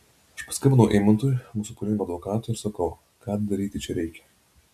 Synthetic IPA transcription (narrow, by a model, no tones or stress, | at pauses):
ɪʃpɐskɐmʲɐnɐʊʔɛɪmɐnt̪oːjmuːsʊpʊɾʲɪnʲmoɐd̪ʋɔkɑːt̪oːɪɾsɐkɐʊ | kɑːd̪ɐɾʲiːt̪ʲɪt͡ʃʲɛɾʲɛɪkʲɛ̥